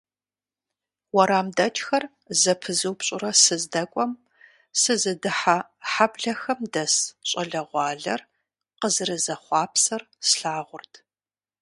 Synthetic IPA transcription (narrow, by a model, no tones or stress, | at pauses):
wɐɾaːmdɐt͡ʃʼxɐr | zɐpʰɨzɨwpɕʼɪrɐsɨzdɐkʷʼɔm | sɨzɨdɨħa | ħabɮɐxɐmdɐsɕʼɐɮɐʁʷɑːɮɐ̰r | qəzɨrɨzɐχʷɑːpʰsɐr | sɬaːʁʷʊrtʰ